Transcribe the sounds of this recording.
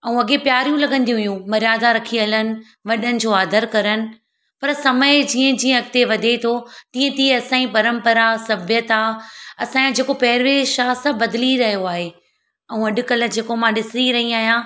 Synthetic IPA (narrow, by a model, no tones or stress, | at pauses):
ɐũɐɠepjaːɾijũlɐɠə̃nd̪iɦʊjũmɐɾjaːd̪aɾɐkʰiələnɪ̆ | ʋɐɗənɪ̆d͡ʑoːaːd̪ʱəɾkɐɾənɪ̆ | pɐɾsɐməɪd͡ʑiːə̃d͡ʑiːə̃ɐɡ̚t̪eʋɐd̪ʱet̪ʰot̪ĩːə̃t̪iɐsãːĩpɐɾə̃mpəɾasɐbʱjət̪aːɐsãːd͡ʑeːkopɐːɾʋeːʃaːsɐ̃bbɐd̪liɾɐɦijoaːɦe | ɐũɐɗʊ̆kɐlə̆d͡ʑeːkomãɗɪsiɾɐɦiaːɦjã